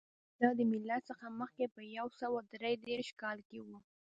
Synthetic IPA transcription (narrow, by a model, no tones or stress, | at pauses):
d̪̥ɑd̪əmɪlːat̪səxaməxkepəjawsəwad̪ɾejd̪eɾʃkɑlkewu